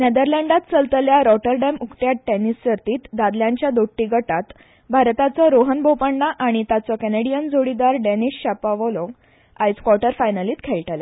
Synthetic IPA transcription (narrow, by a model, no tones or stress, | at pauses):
ned̪əɾlɛɳɖat̪t͡səlt̪əljaɾɔʈəɾɖɛmukʈjaʈɛnist͡ɕəɾt̪iːt̪d̪ad̪ljãɲt͡ɕjad̪oʈːiɡəʈat̪ | bʱaɾt̪at͡sɔɾoɦənbopəɳːaʔaɽ̃it̪at͡sɔkɛneɽijənd͡zoɽid̪aɾɖɛniɕɕapaʋɔlõŋɡ | ajskwɔʈəɾfajnəliːt̪kʰeɭʈalja